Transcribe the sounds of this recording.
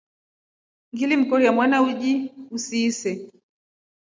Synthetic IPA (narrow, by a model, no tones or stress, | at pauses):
ŋɡilim̩kɔɾijamwanauʄiusiːsɛ